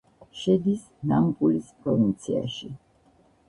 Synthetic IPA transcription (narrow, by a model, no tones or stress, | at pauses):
ʃɛd̪is | namkʼulispʼɾɔvint̪sʰia̰ʃi